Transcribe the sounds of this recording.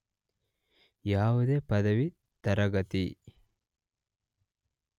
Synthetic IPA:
jaːwud̪eːpɐd̪ɐʋi | t̪ɐɾɐɡɐt̪i

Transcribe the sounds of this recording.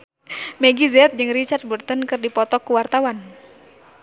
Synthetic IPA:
mɛɡizɛt̪̚d͡ʒɨŋrit͡ʃart̪̚burt̪ənkɨrdipɔt̪ɔkːuwart̪awan

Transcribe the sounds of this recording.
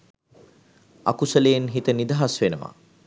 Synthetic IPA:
a̰kusəlejenɦit̪ənid̪aɦasʋenəʋa̰

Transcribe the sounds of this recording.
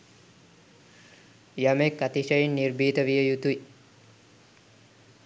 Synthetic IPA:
jamekːat̪iʃəjinːirbiːt̪əʋijəjut̪ui

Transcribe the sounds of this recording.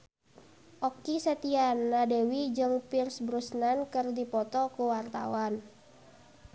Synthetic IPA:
ʔɔkisət̪ianːadewid͡ʒɨŋpirsbɾusnankɨrdipɔt̪ɔkuwart̪a̰wan

